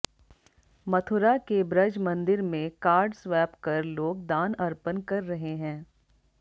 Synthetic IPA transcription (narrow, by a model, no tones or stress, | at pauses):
mɐt̪ʰʊɾakebɾɐd͡ʒmɐ̃nd̪ɪɾmẽkaːɾɖswɛːpkɐɾloːɡd̪aːnɐɾpənkɐɾːɐɦeɦɛ̃ː